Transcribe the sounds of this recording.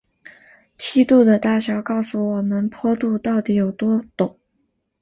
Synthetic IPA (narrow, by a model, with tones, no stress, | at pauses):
t͡ɕʰi˥t̪u˥˩d̪ə˩t̪a˥˩ɕjɑ˧˥ʊkɑ˥˩ʊsu˨˩wɔ˨˩mə˦npʰwɔ˥t̪u˥˧t̪ɑ˥˩ʊt̪i˧˥jo˨˩ʊt̪wɔ˥t̪ʊ˨˩˦ŋ